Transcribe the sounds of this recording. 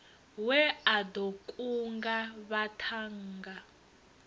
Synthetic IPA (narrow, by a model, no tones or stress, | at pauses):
wɛadokʼuŋɡaβatʰaŋɡa